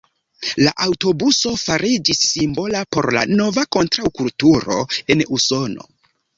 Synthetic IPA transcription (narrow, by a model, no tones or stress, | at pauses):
laʔawto̞buso̞faɾid͡ʒisːimbo̞lapo̞̰ɾla̰no̞vako̞ntɾawkultuɾo̞̰e̞nuso̞no̞̰